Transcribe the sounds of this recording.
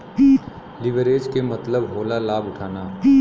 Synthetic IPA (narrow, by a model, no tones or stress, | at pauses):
lɪʋəɾeːd͡ʒkemɐt̪ləbɦoːlalaːbʊʈʰaːnaː